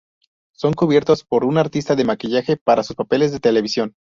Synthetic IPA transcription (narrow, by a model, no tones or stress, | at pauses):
so̞ŋkuβje̞ɾt̪o̞spo̞ɾunaɾt̪ist̪aðe̞makiʝaxe̞paɾasuspape̞le̞zðe̞t̪e̞le̞β̞isjo̞n